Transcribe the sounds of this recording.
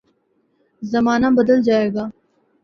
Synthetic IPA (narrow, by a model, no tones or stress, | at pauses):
zɐmaːnabɐd̪əld͡ʒaːeːɡaː